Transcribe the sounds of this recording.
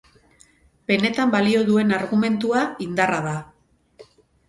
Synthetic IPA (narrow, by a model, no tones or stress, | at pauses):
pe̞ne̞t̪ambalio̞ðue̞naɾɣume̞nt̪uaind̪araða